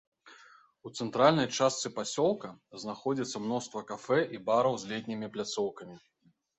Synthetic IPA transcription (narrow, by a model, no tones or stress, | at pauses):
ut̪sɛnt̪ɾalʲnɐjt͡ʂast̪sɨpasʲɔlˠkɐznaxɔd͡zʲit̪sːɐmnɔst̪vɐkafɛʔibaɾɐwzʲlʲɛt̪ʲnʲimʲiplʲat̪sɔwkɐmʲi